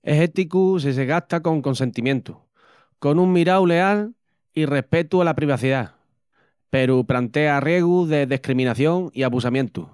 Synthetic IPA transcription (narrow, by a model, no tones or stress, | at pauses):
eɦe̞t̪ikus̬eseɣat̪ako̞ŋko̞nse̞nt̪imjẽ̞nt̪u | ko̞nuŋmiɾawle̞al | ire̞hpe̞t̪ualapɾiβ̞aθiða | pe̞ɾuplant̪e̞arje̞ɣ̞uðe̞ðehkɾimĩnaθjo̞ŋiaβusamjẽ̞nt̪ṵ